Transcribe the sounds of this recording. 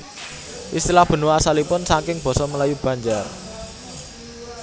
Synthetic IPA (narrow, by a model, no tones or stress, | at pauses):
ʔist̪ilahb̥ə̤nuasalipʊnsaŋkɪŋb̥ɔ̤sɔməlajub̥ä̤ɲd͡ʒar